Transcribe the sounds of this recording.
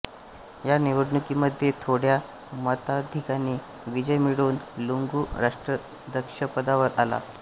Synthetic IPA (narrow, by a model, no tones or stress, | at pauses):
janiʋəɾnukiːməd̪ʱːjet̪ʰoɽja | mət̪ad̪ʱikaniː | ʋid͡ʑəjmiɽuːnluŋɡuːɾaʂʈɾə | d̪ʱəkʂəpəd̪aʋəɾala̰